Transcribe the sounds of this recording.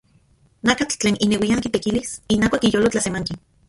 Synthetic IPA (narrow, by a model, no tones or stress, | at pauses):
nakat͡ɬt͡ɬeːnʔinewiaŋkit̪ekilisinakakijolot͡ɬasemaŋki